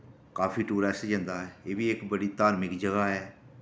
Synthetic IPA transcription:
kaːfʰiːʈuːɾɛːsd͡ʒə̃nd̪aːɛeːʋiːɪkbəɽiːt̪aːɾmɪkd͡ʒəɡaːɦɛː

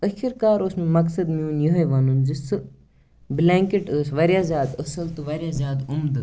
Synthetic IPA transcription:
əʃiɾkaːɾosmũmɐksɐd̪miuːnjoɦɐjʋɐːnund͡ʒisɨ | blãːŋkeʈəːsʋɐɾjaːzjaːd̪ɐsɐlt̪ɨʋɐɾʲjaːzʲjaːd̪umd̪ɨ

